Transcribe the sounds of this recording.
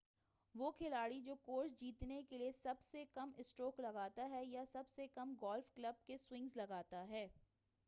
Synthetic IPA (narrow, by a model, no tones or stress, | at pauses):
ʋoːkʰɪlaːɽid͡ʒoːkoːɾsd͡ʒiːt̪nekeliesɐbsekɐmɪsʈoːklɐɡaːt̪aɦɛjasɐbsekɐmɡɔːlfklɐb̚keswɪ̃ŋɡzlɐɡaːt̪aɦɛː